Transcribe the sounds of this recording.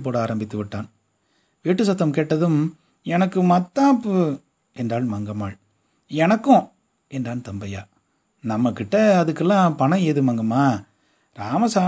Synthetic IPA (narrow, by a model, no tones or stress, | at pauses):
p̬oːɽɐaːɾɐmbɪt̪ːɯʋɪʈːaːn | ʋiːʈːɯsɐt̪ːɐmkeːʈːɐðɯm | ɛnɐkːɯmɐt̪ːaːpɯ | ɛndraːlmɐŋɡɐmaːɭ | ɛnɐkːʊ̃ | ɛndraːnt̪ɐmbɐja̰ː | nɐmːɐkːɪʈːɐːðɯkːɛlːãːpɐnɐ̃eːðɯmɐŋɡɐmaː | ɾaːmɐsaː